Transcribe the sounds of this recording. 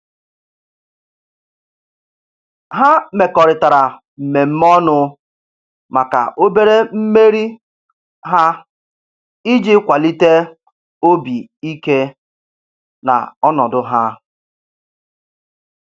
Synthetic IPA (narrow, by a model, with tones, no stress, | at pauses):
ɦa˦me˨kɔ˨ɾɪ˨ta˨ɾa˨ | m̩˨me˨m̩˦mɔ˦nʊ˦ | ma˨ka̰˨ʔo˦be˦ɾe˦m̩˦me˦ɾi˦ | ɦa˦ | i˦d͡ʒi˦kʷa˨li˦te˦ | o˦bi˨ | i˦ke˦ | na̰˨ɔ˦nɔ˨dʊ˦ɦa˦